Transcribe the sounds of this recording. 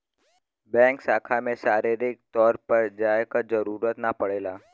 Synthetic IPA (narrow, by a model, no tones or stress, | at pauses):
bɛ̃ːŋksaːkʰamẽsaːɾiɾɪk̚t̪ɔːɾpəɾd͡ʒaːjekazɐɾuːɾət̪napɐɽeːlaː